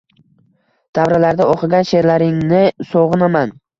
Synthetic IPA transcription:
d̪̥avɾalaɾd̪aoqʰɨɡʲanʃe̞ɾlaɾɪŋnɪsoʁɨnaman

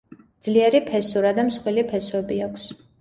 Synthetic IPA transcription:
d̪z̥liɛɾipʰɛsuɾad̪amsχwilipʰɛswɛbiakʰs

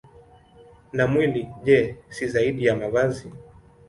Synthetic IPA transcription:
namwiliʄɛsizaiɗijamavazi

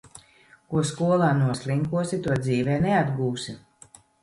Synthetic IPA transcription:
kuɔskuɔlˠaːnuɔsʲlʲˠiŋkuɔsit̪uɔd̪ziːvɛːnead̪ɡuːsi

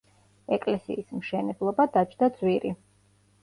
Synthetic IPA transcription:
ɛkʼlɛsḭːsmʃɛnɛblˠɔbad̪at͡ʃʰd̪ad̪zwiɾi

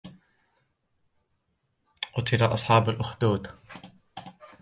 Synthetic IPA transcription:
qʊt̪ʰɪlaʔɑsˤħɑːbalʔʊxd̪uːd̪

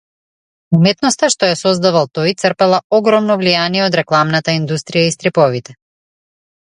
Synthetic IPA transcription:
umɛt̪nɔst̪aʃt̪ɔjasɔzd̪avalˠt̪ɔjt̪sərpɛlˠaɔɡɾɔmnɔvlijaniɛɔd̪ɾɛklˠamnat̪aind̪ust̪ɾijaist̪ɾipɔvit̪ɛ

